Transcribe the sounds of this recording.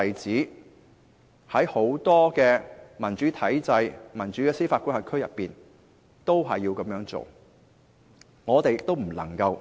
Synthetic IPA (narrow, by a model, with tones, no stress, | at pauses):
jt͡siː˨˥ | hɐ˨˥jho˨˥wt̪ɔː˥kɛː˧mɐ˨˩nt͡ʃyː˨˥t̪ʰɐ˨˥jt͡sɐ˧jmɐ˨˩nt͡ʃy˨˥kɛː˧siː˥faː˧t̚ku˥nhɐ˨˩kʰɵ˥ɥjɐ˨pːiː˨n | t̪o˥wɦɐ˨jːiː˧wkɐ˨˥mjœː˨˥ŋt͡so̰˨w | ŋɔː˨˧t̪e˨jɪ˨k̚t̪o˥wm̩˨˩lɐ̰˨˩ŋkɐ˧w